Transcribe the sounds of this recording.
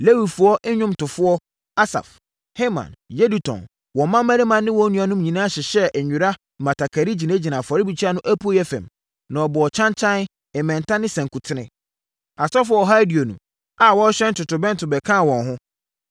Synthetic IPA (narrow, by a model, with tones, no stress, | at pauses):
le˦wi˨fʊ˨ɔ˦ʔɪ˦ɲᶣʊ̃˦mtʊ˨fʊ˦ɔ˦ | a˦sa̰˨f | he˦mã̰˨nje˦du˨tʰɔ̰̃˨n | wɔ̃˨˦mã˦mæ˦ɾi˦mã˨nːɪ̃˦wɔ̃˦nũ˦a˨˦nʊ̃˦mɲĩ˨nã˦ɕɛ˨ɕɛ˦ʔɛ˨ɲᶣʊ̃˨ɾa˦˨ | mã˨tʰa˨kʰa˨ɾi˦d͡ʑi˨nɛ̃˦d͡ʑi˨nã˨fɔ˨ɾɪ˦bi˨t͡ɕʰi˦a˦nʊ̃˦ʔæ˦pʰu˦o˦jɛ˦fɛ̰̃˨m | nã˨ɔ˨bɔ˨ɔ˨t͡ɕʰã˦nt͡ɕʰã˦n | ɛ˨mɛ̃˨n˨tʰã˦nɪ̃˦sɛ̃˨ŋ˨kʰu˨tʰɪ˦ɪ̰̃˦ | a˨sɔ˦fʊ˦ɔ˦ɔ˨ɦa˦di˨o˨nṵ̃˨ | a˨wɔ̃˦ɕᶣɛ̃˦n̩˦tʊ˨tʊ˨bɛ̃˦n˦tʰʊ˨bɛ˨kʰã˦˨wɔ̃˨nɦʊ̃˦